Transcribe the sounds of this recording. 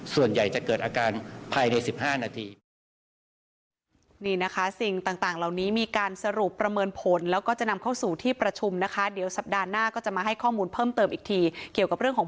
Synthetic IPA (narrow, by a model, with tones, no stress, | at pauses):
su˨˩ənja˨˩jt͡ɕa˨˩kɤː˨˩t̪̚ʔaː˧kaː˧npʰaː˧jna˧jsi˨˩p̚haː˥˩naː˧t̪ʰiː˧ | niː˥˩na˦˥kʰa˦˥si˨˩ŋt̪aː˨˩ŋt̪aː˨˩ŋla˨˩wniː˦˥miː˧kaː˧nsa˧ɾu˨˩pːɾa˧mɤː˧npʰo˩˦nlɛː˦˥wkɔː˥˩t͡ɕa˨˩na˧mkʰa˥˩wsuː˨˩t̪ʰiː˥˩pɾa˧t͡ɕʰu˧mna˦˥kʰa˦˥di˨˩˦wsa˨˩p̚daː˧naː˥˩kɔː˥˩t͡ɕa˨˩ʔmaː˧ɦa˥˩jkʰɔː˥˩muː˧npʰɤː˥˩mt̪ɤː˧mʔiː˨˩k̚t̪ʰiː˧ki˨˩əwka˨˩ɾɯ˥˩əŋkʰː